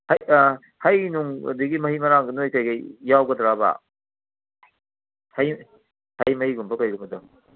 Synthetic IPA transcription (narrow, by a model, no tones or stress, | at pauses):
haj | hajnuŋ̰diɡimɐhimɐɾaŋɡɐnojkajɡɐjawɡɐdɾaba̰ | haj | hajmɐhiɡumbɐkajɡumbɐdɔ